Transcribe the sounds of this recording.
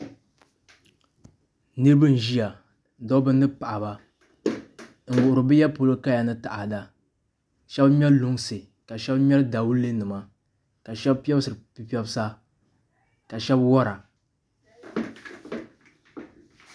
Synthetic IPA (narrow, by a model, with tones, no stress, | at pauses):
nɨ˦ɾɨ˦bɨ˦n̩˨ʒi˦ja˨ | dɔ˦bɨ˦nː˦ɨ˦pa˨ʔa˨ba˨ | ŋ̩˨wʊ˨ʔʊ˨ɾɨ˨bɨ˦ja˦po˨lɨ˦ka˦ja˨nɨ˦ta˨ʔa˨da˨ | ʃɛ˦bmɛ˦llʊ˦ŋsɨ˨ | ka˨ʃɛ˦bmʲɛ˦lda˨wu˦lːe˦nɨ˨ma˦ | ka˨ʃɛ˦bpɛ˦bsɨ˨ɾɨ˨pi˨pɛ˦bɨ˦sa˦ | ka˨ʃɛ˦bwɔ˦ɾa˨